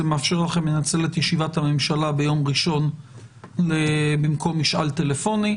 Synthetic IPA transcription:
emeaːfʃe̞ʁlaχemlenat͡se̞let̪jeʃivathamemʃalabe̞jo̞mʁiʃo̞n | lebimko̞miʃʔa̰lt̪e̞lefo̞ni

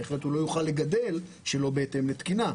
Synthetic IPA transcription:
eχlethulo̞juχalːe̞ɡad̪e̞l | ʃelo̞beete̞mlet̪kina

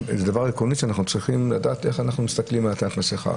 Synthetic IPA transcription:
ḛzed̪avaʁikoniʃeanaχnut͡sʁiχimladaːt̪e̞χanaχnumist̪aklimalat̪at̪maseχa̰

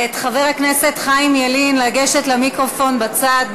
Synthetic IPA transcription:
et̪χaveʁakne̞se̞t̪χaimjalinlaɡe̞ʃe̞t̪lamikʁofo̞nbat͡saːd̪̚

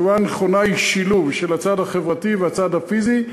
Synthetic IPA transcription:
uvaneχonaiʃiluvʃelat͡sadhaχevʁativeat͡sadhafizi

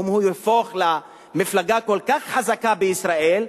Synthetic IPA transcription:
mhujefoχla | miflaɡako̞lkaχħazakabeisʁaʔel

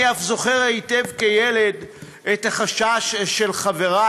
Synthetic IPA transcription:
afzoχeʁaitevkejeled̪ | et̪haχaʃaʃːelχaveʁa

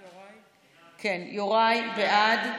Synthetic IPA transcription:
kʰenjoʁajveʔad̪

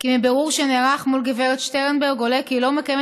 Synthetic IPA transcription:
kimibeʁuʁʃeneʁaχmulɡeveʁet̪ʃteʁenbelɡolekilo̞mekajem

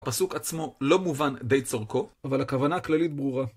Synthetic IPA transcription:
pasukat͡smo̞lo̞muvand̪ejt͡soʁko̞avalhakavanaːklalit̪̚bʁuʁa

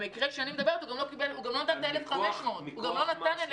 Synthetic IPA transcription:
mikʁekʃeanimed̪abeʁet̪uɡamlokibeluɡamlo̞nat̪ant̪elefχameʃmo̞t̪huɡamlo̞nat̪anal

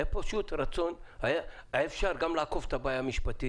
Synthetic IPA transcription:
japaʃut̪ɾat͡so̞nhajaefʃaɾɡamlaːkofet̪abajamiʃpat̪i

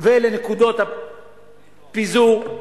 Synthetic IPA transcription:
veelenekud̪ot̪a | pizu

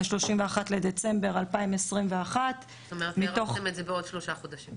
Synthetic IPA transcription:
ʃlo̞ʃimveaχatledet͡se̞mbe̞ʁalpaimesʁimveaχat̪ | t̪omeʁetmit̪o̞χemetzebeod̥̪ʃloʃaχod̪aʃim

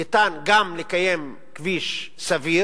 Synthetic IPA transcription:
itanɡamlekajem | kviʃ | savi

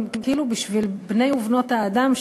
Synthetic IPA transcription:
kiːlubiʃvilbne̞juvno̞thaːd̪amʃ

